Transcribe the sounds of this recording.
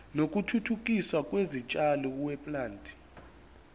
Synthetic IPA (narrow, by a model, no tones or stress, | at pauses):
nok̬ʼutʰutʰuk̬ʼiswakʼwezit͡ʃʼalɔkwɛpʼlaːntʼi̥